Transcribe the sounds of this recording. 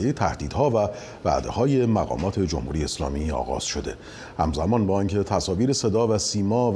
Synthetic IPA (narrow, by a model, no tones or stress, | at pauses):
ejet̪ʰæhd̪iːd̪̥hɒːvæ | væ̰d̪e̞̰hɒːje̞mæɣɒ̰ːmɒːt̪ʰe̞d͡ʒo̰mhuɾijeːslɒ̰ːmiːɒ̰ːɣɒ̰ːz̥ʃo̞d̪e̞ | hæ̰mzæmɒːnbɒːincʰe̞t̪ʰæsɒːviːɾese̞d̪ɒːvæsiːmɒː